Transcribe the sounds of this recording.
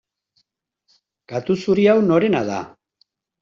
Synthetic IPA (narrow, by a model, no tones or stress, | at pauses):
ɡ̥at̪usuɾiawno̞ɾe̞naða̰